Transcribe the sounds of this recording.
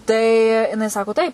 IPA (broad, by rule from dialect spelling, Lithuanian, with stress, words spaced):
tɐɪ ˈɪˈnɐɪ ˈsɑːkoː ˈtɐɪp